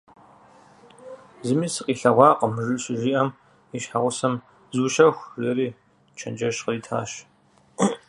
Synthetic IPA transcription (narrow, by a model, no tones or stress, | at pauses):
zɨmiːsɨqʼiːɬɐʁʷɑːqʼəmʒɨɕɪʒiːʔɐm | iʃħaʁʷʊsɐm | zuːʃɐxʷzɐɾiː | t͡ʃʰɐ̰nd͡ʒɐʃqəriːtʰa̰ːʃ